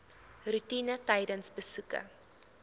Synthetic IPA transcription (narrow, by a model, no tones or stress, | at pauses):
rutinətɛjdənsbəsukə̰